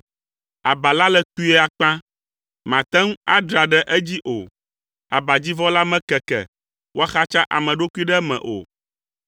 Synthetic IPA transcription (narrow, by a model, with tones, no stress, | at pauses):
a˨ba˨la˦lɛ˦t̪u˦ɛ˦a˨k͡pã˦ | mã˨t̪ɛ˦ŋũ˦a˦d̪ɾa˨ɖɛ˦ʔɛ˦d͡ʑi˦ʔo˨ | a˨ba˨d͡ʑi˦vɔ˦la˦mɛ̃˦kɛ˨kɛ̰˨ | wo˦a˦xa˦t͡ʃa˦ʔa̰˨mɛ̃˨ɖo˦ku˦i˦ɖɛ˦mɛ̰̃˨ʔo̰˨